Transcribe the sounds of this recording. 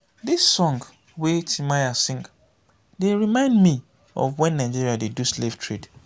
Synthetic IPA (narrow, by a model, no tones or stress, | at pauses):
disɔ̃ŋɡ | wetʰimajasɪ̃ŋk | deɹimãɪ̃ndmi | ɔ̰vwɛ̃nːãɪd͡ʒiɹiadeduslev̥tʰɹid